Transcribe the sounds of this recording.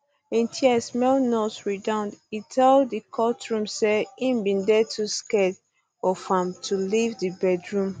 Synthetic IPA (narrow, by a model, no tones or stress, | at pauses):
ĩntʰiɛsmɛlnɔsɹidãʊ̃nditʰɛldikʰɔtɹũmseĩmbĩndɛtʰuskɛd | ɔfãmtʰulivdibɛdɹũm